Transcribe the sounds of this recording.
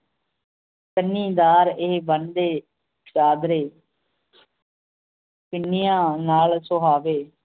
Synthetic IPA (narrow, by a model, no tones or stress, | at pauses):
kənːiːd̪aːɾeːbənd̪eː | t͡ʃaːd̪ɾeː | pɪnːɪjãːnaːlsoɦaːʋeː